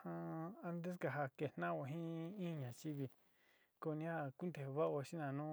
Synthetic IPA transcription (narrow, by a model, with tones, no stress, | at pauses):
hã˧a˦nd̪e˦s̬ka˧˨ɦa˧ke˨nã˦o˧ɦĩ˦ĩ˦˧ɲã˨t͡ʃi˦βi˧ | ko˧nĩ˧˦ha˦˧ku˦nd̪e˨hβa˦ʔo˧ʃi˦nã˨nũː˦